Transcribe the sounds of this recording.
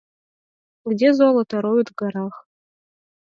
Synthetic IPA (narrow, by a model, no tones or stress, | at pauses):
ɡdʲezolˠɤt̪ɑɾojut̪ɡɑɾɑχ